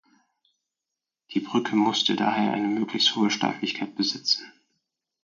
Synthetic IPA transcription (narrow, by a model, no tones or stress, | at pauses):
d̥iːbʁʏkʰəmʊstʰəda̰ːheːɐʔa̰ɪnəmøːklɪçsthoːəʃta̰ɪflɪçkʰaɪt̚b̥əzɪt͡sn̩